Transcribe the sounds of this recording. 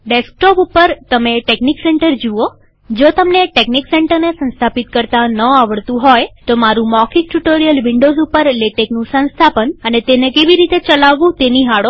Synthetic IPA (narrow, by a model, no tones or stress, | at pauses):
ɖesk̚ʈɔpupəɾt̪əmeʈeknikseɳʈəɾd͡ʒuo | d͡ʒot̪əmneʈeknikseɳʈəɾnesə̃nst̪ʰapit̪kəɾt̪anəaʋəɭt̪ũɦojt̪omaɾũmɔkʰik̚ʈuʈoɾijəlʋɪɳɖozupəɾleʈeknũsə̃nst̪ʰapənənet̪enekeʋiɾit̪et͡ʃəlaʋːũt̪eniɦaɽo